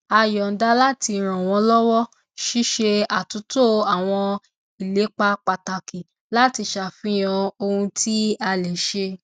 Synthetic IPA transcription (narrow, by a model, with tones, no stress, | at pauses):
a˧jɔ˨n̩˦da˦la˦ti˧˦ɾ̃ɔ̃˨w̃ɔ̃˧lɔ˦wɔ˦ | ʃi˦ʃe˧a˨tu˨˦to˦˨a˨w̃ɔ̃˧ | i˨le˨˦k͡pa˧k͡pa˧ta˨ki˨ | la˦ti˧ʃa˨fĩ˦j̃ã˧o˧hũ˧tʰi˦a˧le˨ʃe˧